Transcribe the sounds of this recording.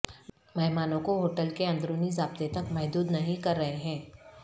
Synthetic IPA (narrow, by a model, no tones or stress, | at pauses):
mɛɦmaːnõkoɦoːʈəlkeɐ̃nd̪ɾõːnizaːb̚t̪et̪ɐkmɛɦd̪uːd̪nɐɦĩkɐɾːɐɦeɦɛ̃ː